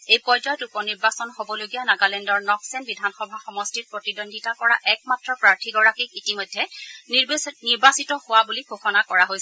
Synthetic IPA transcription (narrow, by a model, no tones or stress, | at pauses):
ejpɔzɔjɔtupɔniɹbasɔnɦobɔloɡijanaɡalɛndɔɹnɔksɛnbidʱanxɔbʱaxɔmɔstiɹpɹotidondʱitakɔɹa̰ʔɛk̚matɹɔpɹaɹtʰiɡɔɹakik̚itimɔjdʱːɛniɹbniɹbasitɔhʊwabuliɡʱoxɔnakɔɹaɦojsɛɛ